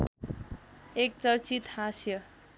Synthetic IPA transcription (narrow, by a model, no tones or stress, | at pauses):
ek̚t͡sʌrt͡sit̪hãsjʌ